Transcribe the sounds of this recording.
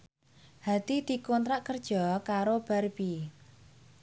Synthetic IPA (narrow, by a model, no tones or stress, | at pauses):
hat̪id̪̥i̤kont̪ɾaʔkərd̥ʒ̥ɔ̤kaɾob̥a̤rbi